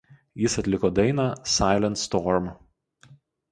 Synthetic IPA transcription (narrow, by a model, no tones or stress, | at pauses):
jɪsɐt̪ʲlʲɪkoːd̪ɐɪnɑːsɑˑɪlʲɛnt̪st̪ɔːɾm